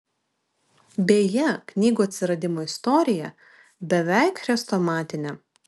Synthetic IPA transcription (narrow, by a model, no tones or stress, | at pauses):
bʲeːjɛknʲiːɡuːɐt̪ʲsʲɪɾɐd̪ʲɪmoːɪst̪ɔɾʲɪjɛ | bʲɛʋʲɛˑɪkɾʲɛst̪oːmɑːt̪ʲɪnʲɛ